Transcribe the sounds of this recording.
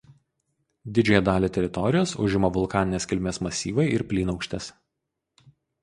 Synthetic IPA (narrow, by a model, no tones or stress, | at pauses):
d̪ʲɪd͡ʒʲoːjɛd̪ɑːlʲeːt̪ʲɛɾʲɪt̪ɔɾʲɪjoːsʊ̰ʒʲɪmɐʋʊlˠkɑːnʲɪnʲeːskʲɪlʲmʲeːsmɐsʲiːʋɐɪʔɪɾpʲlʲiːnɒʊkʃʲt̪ʲɛs